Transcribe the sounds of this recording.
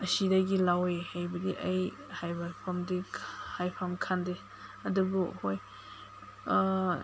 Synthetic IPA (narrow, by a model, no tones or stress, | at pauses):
ɐsidaɡilawehejbɐdiʔɐj | hajbapʰamdihajpʰamkʰande | ɐdubuhoj